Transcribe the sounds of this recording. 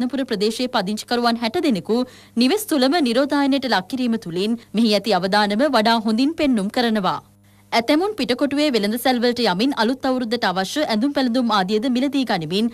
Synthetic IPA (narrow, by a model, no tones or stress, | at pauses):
nɐpuɾɐpɾɐd̪eːʃeːpad̪iɲt͡ʃi̥kɐɾuʋanɦɛʈɐd̪eneku | niʋest̪ulɐməniɾoːd̪ʱaːjɐnjʈɐlakʰːiɾiːmət̪ulenmeɦiɛt̪iaʋɐd̪aːnɐməʋaɖaːɦond̪inpenːumkəɾɐnɐʋa̰ː | æt̪ɛmunpiʈɐkoʈuʋeːʋelɐnd̪ɐselʋɐlʈɐjaminɐlut̪ːɐwɾud̪ɐʈaʋaʃəʔɛnd̪umpælɐnd̪umaːd̪ijəd̪əmilɐd̪iːɡanimin